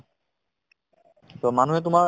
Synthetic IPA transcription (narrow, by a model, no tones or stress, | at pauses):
t̪omanuɦet̪̬uma